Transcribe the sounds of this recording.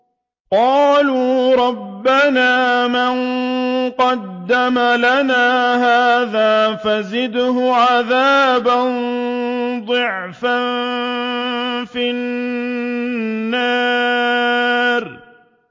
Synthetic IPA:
qɑːluːɾˤɑbːanaːmanqɑd̪ːamalanaːɦaːðaːfazɪd̪hʊʕaðaːban | d̪ˤɨʕ | fan | fin | aː | ɾ

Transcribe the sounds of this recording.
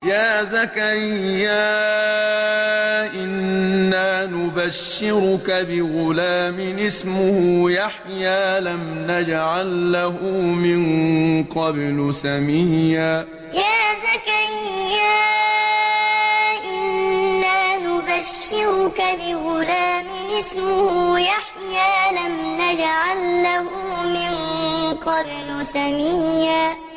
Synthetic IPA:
jaːzakaɾɪjːaː | ʔɪnːaːnʊbaʃːɪɾʊkabɪɣʊlaːmɪʔɪsmʊhʊjaħjaːlamnad͡ʒʕalːaɦʊmɪnqɑblʊsamiːjaː | jaːzakaɾɪjːaː | ʔɪnnːaːnʊbaʃːɪɾʊkabɪɣʊlaːmɪɪsmʊhʊjaħjaːlamnad͡ʒʕalːahʊmɪnqɑblʊsamijːaː

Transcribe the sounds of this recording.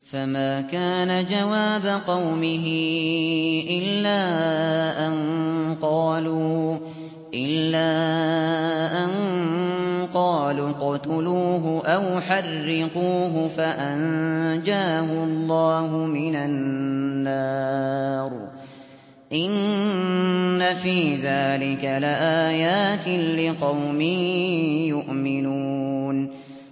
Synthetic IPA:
famaːkaːnad͡ʒawaːbaqɑwmɪɦɪ | ʔɪlːaːʔanqɑːluː | ʔɪlːaː | ʔan | qɑːluːqɑt̪ʊluːɦʊʔawħarːɪquːɦʊfaʔand͡ʒaːhʊɑlˤːɑːɦʊmɪnannːaː | ɾˤ | ʔɪnnː | afiːðaːlɪkalɪʔaːjaːt̪ɪlɪqɑwmiːjʊʔmɪnuːn

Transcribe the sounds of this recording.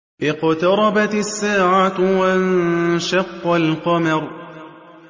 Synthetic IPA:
ʔɪqt̪ɑɾˤɑbat̪asːaːʕat̪waanʃɑqːalqɑmɑɾ

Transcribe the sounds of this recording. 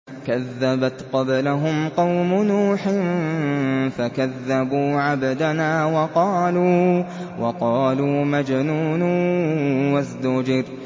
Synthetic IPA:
kaðːabat̪qɑblaɦʊmqɑwmʊnuːħɪn | fakaðːabuːʕabd̪anaːwɑqɑːluː | wɑqɑːluːmad͡ʒnuːnʊ | wazd̪ʊd͡ʒɪɾ

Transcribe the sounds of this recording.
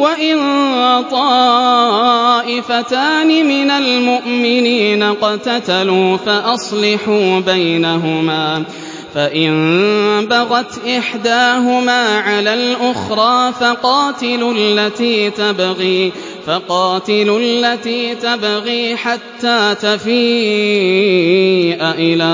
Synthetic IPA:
waʔɪnt̪ˤɑ | ʔɪfat̪aːnɪmɪnalmʊʔmɪniːnaqɑt̪at̪aluːfaʔɑsˤlɑħuːbajnaɦʊmaː | faʔɪnbaɣat̪ʔɪħd̪aːɦʊmaːʕalaːlʔʊxɾˤɑːfaqɑːt̪ɪlʊlːat̪iːt̪abɣiː | faqɑːt̪ɪlʊllːat̪iːt̪abɣiːħat̪ːaːt̪afiː | ʔaʔɪlaː

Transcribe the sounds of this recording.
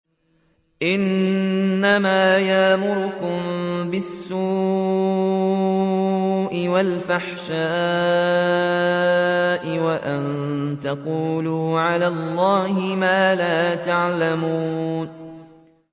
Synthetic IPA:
ʔɪnː | amaːjaʔmʊɾʊkʊmbɪsːuː | ʔɪwalfaħʃaː | ʔɪwaʔant̪aquːluːʕalaːlˤːɑːhɪmaːlaːt̪aʕlamuuːn

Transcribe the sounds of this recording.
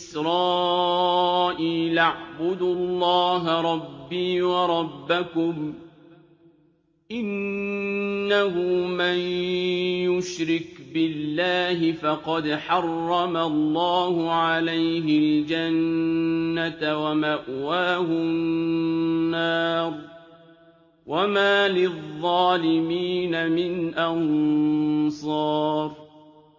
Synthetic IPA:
ɪsɾɑː | ʔiːlʔaʕbʊd̪ʊlːɑːɦaɾˤɑbːiːwɑɾˤɑbːakʊm | ʔɪnː | ahʊmaj | jʊʃɾɪkbɪlːaːɦɪfɑqɑd̪ħɑrˤːɑmalˤːɑːhʊʕalajɦɪld͡ʒanː | at̪wamaʔwaːhʊ | nnːɑːɾˤ | wamaːlɪðˤːɑːlɪmiːnamɪnʔɑn | sˤɑːɾˤ

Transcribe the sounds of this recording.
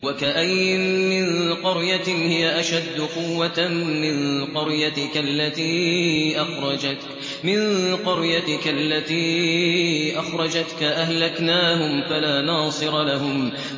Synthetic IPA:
wakaʔajmɪnqɑɾjahɪjaʔaʃad̪ːʊqʊwːat̪mɪnqʊɾjat̪ɪkalːat̪iːʔaxɾˤɑd͡ʒa | mɪnqɑɾjat̪ɪkalːat̪iː | ʔaxɾˤɑd͡ʒat̪kaʔahlaknaːɦʊmfalaːnɑːsˤɨɾɑlaɦʊm

